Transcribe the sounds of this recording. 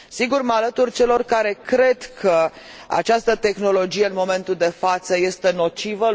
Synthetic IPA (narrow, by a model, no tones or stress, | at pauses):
siɡurmalət̪urʲt͡ʃe̞lo̞rkaɾe̞kɾe̞d̪kʰə | a̰t͡ʃast̪ət̪e̞xno̞lo̞d͡ʒije̞ɨnmo̞me̞nt̪uld̪e̞fat̪səje̞st̪e̞no̞t͡ʃivə